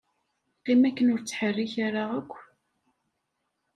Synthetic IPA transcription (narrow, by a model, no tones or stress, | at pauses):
qimækːənʊɾt͡sːħərːiçaɾaækʷː